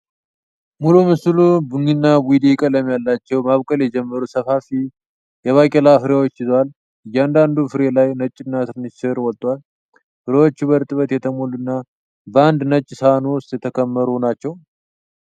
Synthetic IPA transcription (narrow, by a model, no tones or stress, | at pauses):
mulumɨslubɨŋinːawid̪ekʼələmjalːat͡ʃːɛwmaβkʼəljɛd͡ʒɛmːəɾusəfafi | jɛβakʼelafɨɾjawot͡ʃːɪzwal | ɨjːɛand̪and̪ufɨɾe̞lajnət͡ʃʼːɪnːat̪ʰɨɾɨnɨsɨɾwɔlt̪ʼwal | hɨɾewo̞t͡ʃːβəɾt̪ʼɨβət̪jɛt̪ʰəmolunːa | bəand̪nət͡ʃʼːsəanowʊst̪jɛt̪ʰəkʰəmːəɾunat͡ʃːɛw